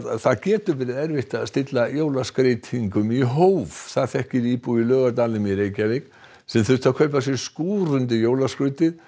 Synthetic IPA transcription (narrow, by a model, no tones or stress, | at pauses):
θaðcɛːt̪ʏvɛɾɪðɛɾvɪht̪aðst̪ɪt̪lajoːwlaskɾejt̪ʰiŋkʏmiɦowvθaðθɛhcɪiːpuilœːɣat̪̬aːlɪmjɛɾeːjcavɪk | sɛmθʏst̪θakʰvœjpasjɛskuːɾʏnt̪ɪjoːwlaskɾʏt̪ɪð